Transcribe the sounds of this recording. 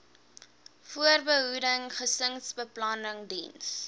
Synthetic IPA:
fuərbəɦudəŋχəsəŋsbəplɐnəŋdḭns

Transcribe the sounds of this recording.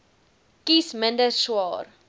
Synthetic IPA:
kisməndəʃwɑːr

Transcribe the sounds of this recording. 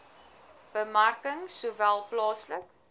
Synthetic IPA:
b̥əmarkəŋsuːvælˠplɑːslək

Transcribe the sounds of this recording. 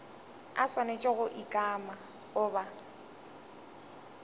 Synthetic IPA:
aswanet͡ʃʼɛɣʊʔikʼama | ɣʊːba

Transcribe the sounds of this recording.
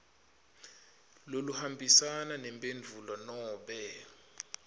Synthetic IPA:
loluhambʱisananɛmbʼend͡ɮʱulɔnɔːɓɛ

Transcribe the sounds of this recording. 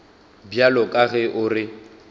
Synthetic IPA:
bjalɔkʼaɣɛʔʊrɪ

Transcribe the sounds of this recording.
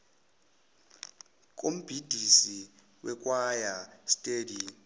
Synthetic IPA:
k̬ʼom̩b̥ʱid̥ʱisi | wʔɛk̬ʼwajastʼeːdi

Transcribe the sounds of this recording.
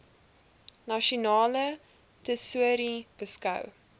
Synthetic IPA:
naʃonɑːlə | təsuəɾib̥əskɐ̰w

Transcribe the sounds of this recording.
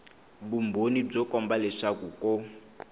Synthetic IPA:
bumbonib͡ʐɔkɔmbalɛʂakukɔ

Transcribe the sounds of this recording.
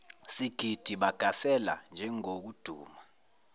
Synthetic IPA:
siɡ̥ʱid̥ʱiɓaɡ̥ʱasɛla̰nd͡ʒʱɛŋok̬ud̥ʱṵːma

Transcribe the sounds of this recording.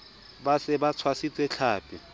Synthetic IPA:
basɪbat͡sʰwasit͡sʼɛt͡ɬʰaːpʼɪ

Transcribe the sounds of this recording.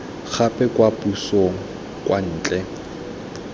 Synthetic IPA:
k͡xʰapʼɛkʼwapusoŋ̩ | kʼwʔan̩ːt͡ɬʼɛ

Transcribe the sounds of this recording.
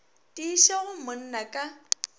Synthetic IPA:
tʼiːʃaɣʊmʊn̩nakʼa

